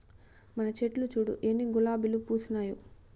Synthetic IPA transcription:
mɐnɐt͡ʃeʈlut͡ʃuːɽṵʔenːiɡulaːbilupuːsunaːju

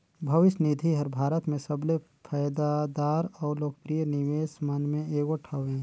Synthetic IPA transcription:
bʱɐʋɪʃnid̪ʱiɦɐɾbʱaːɾət̪mẽsɐble | pʰɐːjd̪ad̪aːɾɔːɾloːɡpɾijənɪʋeːsmɐnmẽeːɡoʈʰəʋẽː

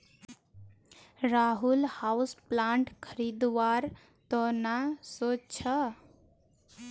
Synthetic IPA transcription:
ɾaɦulhausplaɳʈkʰəɾid̪waɾ | t̪ɔnasot͡ʃʰə

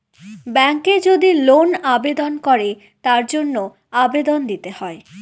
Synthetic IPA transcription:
bɛŋked͡ʑod̪ilonabed̪onkɔɾe | t̪aɾd͡ʑonːo | abed̪ond̪it̪ehɔe

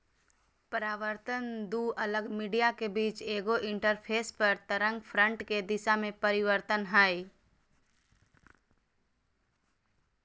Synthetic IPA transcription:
pəɾaːʋəɾt̪ənd̪uːʔələɡmiːɖijakebiːt͡ʃeːɡoʔɪ̃ɳʈəɾpʰeːspəɾt̪əɾə̃ŋɡpʰɾə̃ɳʈked̪ɪsamẽpəɾɪʋəɾt̪ənɦaːi

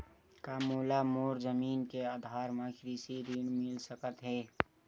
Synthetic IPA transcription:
kaːmoːlamoːɾzəmiːnkead̪ʱaːɾmãkʰɾisiɾinmɪlsəkət̪ɦɛː

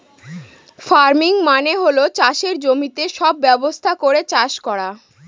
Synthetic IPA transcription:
faɾmiŋmaneɦolot͡ɕaʃeɾd͡ʑomit̪eʃɔbːɛbost̪ʰakoɾet͡ɕaʃkɔɾa

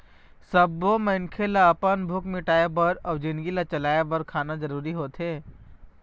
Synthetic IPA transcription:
sɐbːomɐɪnkʰelaɐpənbʱʊkmɪʈaːebɐɾɔːd͡ʒɪnɡilat͡ʃɐlaːebəɾkʰaːnad͡ʒɐɾuːɾiɦoːt̪ɦeː

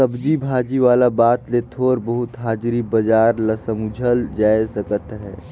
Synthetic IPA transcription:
ɐbd͡ʒibʱaːd͡ʒiʋaːlabaːt̪let̪ʰoːɾbɐɦʊt̪ɦaːd͡ʒɾibɐd͡ʒaːɾlɐsəmud͡ʒʱəld͡ʒaːesɐkət̪ɦɛː

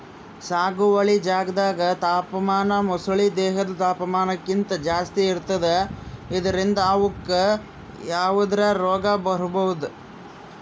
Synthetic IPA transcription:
saːɡuʋɐɭid͡ʒaːɡɐd̪aːɡɐt̪aːpɐmaːnɐmɔsuɭid̪ɛːɦɐd̪ɐt̪aːpɐmaːnɐkːint̪ɐd͡ʒaːst̪iːɾt̪ːɐd̪eid̪ɐɾind̪ɐːʋukːe | jaːʋud̪ɾɐɾɔːɡɐbɐɾubɐʋud̪u

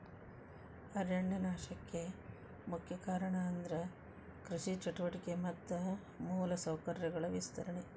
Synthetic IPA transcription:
ɐɾjɐɳːenaːʃɐkːe̞ | mukʰjɐkaːɾɐɳɐːnd̪ɐɾɐ | kɾiʃit͡ʃɐʈuʋɐʈikemɐt̪ːɐ | muːlɐsɐwkɐɾjɐɡɐɭɐʋist̪ʰɐɾɐɳe

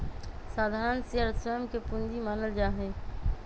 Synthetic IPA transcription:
saːd̪ʱaːɾənsiəɾsɛːmkepʊnd͡ʒimaːnəld͡ʒaːɦɛ̃ː

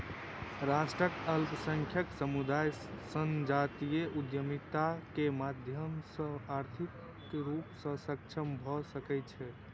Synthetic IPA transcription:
ɾasʈɾəkəlpsəŋkʰjəksəmud̪ajsənd͡ʒat̪ijeʔud̪jəmit̪akemad̪ʱjəmsə̃aɾt̪ʰik | ɾupsə̃sək̚t͡ʃʰəmbʱɔsəkɛt͡ʃʰɛ

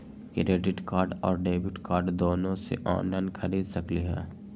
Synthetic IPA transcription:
kɾeːɖɪʈkaːɾɖɔːɾɖeːbɪʈkaːɾɖd̪oːnõsḛʔɔ̰ːnlaɪnkʰɐɾiːd̪sɐkliɦɛ̰ː

